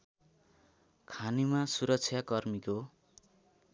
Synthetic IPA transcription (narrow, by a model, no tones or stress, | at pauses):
kʰanimasuɾʌk̚t͡sʰjakʌrmiko